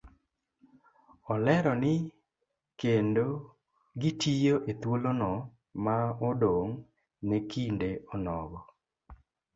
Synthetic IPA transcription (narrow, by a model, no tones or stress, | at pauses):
ɔlɛɾɔnɪ | kendo | ɡitʰijoʔet̪wolonɔ | maɔdoŋ | nekʰindeɔnɔɡɔ